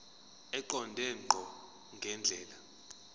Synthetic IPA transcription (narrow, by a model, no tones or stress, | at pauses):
ɛǃɔndʱɛŋ͡ǃʱɔ | ŋɡʱɛnd͡ɮʱɛːla